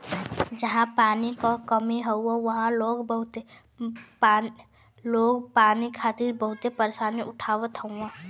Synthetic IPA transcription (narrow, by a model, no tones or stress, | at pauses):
d͡ʒəɦãpaːnikɔkəmiɦəʊɔʋəɦãloːɡbəɦʊt̪e | loːɡpaːnikʰaːt̪ɪɾbəɦʊt̪epəɾesaːniʔʊʈʰaːʋət̪ɦəʊã